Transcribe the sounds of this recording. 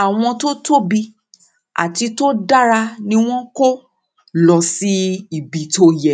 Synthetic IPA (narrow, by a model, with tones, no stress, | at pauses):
a˨w̃ɔ̃˧to˦to˦bi˧ | a̰˨ti˧to˦da˦ɾa˧nĩ˦w̃ɔ̃˦ko˦ | lɔ˨si˨˦i˨bi˨to˧jɛ˨